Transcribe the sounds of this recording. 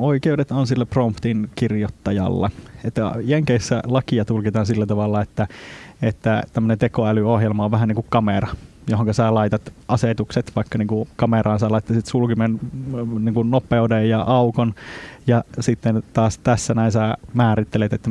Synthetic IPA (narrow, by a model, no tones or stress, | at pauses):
oikeudet̪onsilːæprompt̪inkirjot̪ːɑjɑ̰lːɑ̰et̪ːæjeŋkeisːælɑkiɑt̪ulkit̪ɑːnsilːæt̪ɑʋɑlːɑet̪ːæet̪ːæt̪æmːønent̪ekoælyohjelmɑoʋʋæɦæniŋkukkɑmerɑ | joɦõŋkɑsæːlɑit̪ɑt̪ʔɑset̪ukset̪ʋɑikːɑniːŋkukɑmerɑːnsɑlɑit̪ːɑsit̪sulkimenniːŋkunnopˑeudejjɑʔɑukonjɑsit̪ːent̪ɑːst̪æsːænæisæmæːɾit̪ːelet̪et̪ːæ